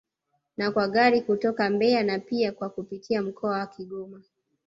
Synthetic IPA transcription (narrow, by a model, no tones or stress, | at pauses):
nakwaɠaɾikutɔkambɛanapiakwakupitʰiam̩kʰɔawakiɠɔma